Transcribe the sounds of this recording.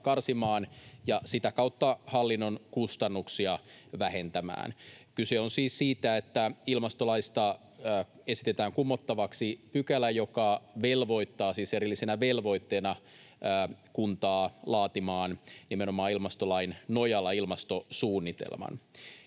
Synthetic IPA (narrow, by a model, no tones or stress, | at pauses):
kɑrsimɑːnjɑsit̪ækɑut̪ːɑhɑlːinːonkust̪ɑnːuksiɑʋæhe̞nt̪æmæ̰ːnkyseonsiːssiːt̪æet̪ːæilmɑst̪olɑist̪ɑː | e̞si̥t̪et̪æːŋkumːot̪ːɑʋɑksipykælæjo̞kɑʋelʋo̞it̪ːɑːsiːseɾilːisenæʋelʋo̞it̪ːeːnɑː | kunt̪ɑːlɑːt̪imɑːnnimenomɑːilmɑst̪olɑinnojɑlːɑilmɑst̪osuːnːit̪ḛlmɑ̰n